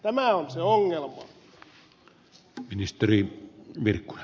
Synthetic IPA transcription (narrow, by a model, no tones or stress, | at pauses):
t̪æmæˑonseoŋːelmɑ | minist̪eriʋirkːu̥jɑ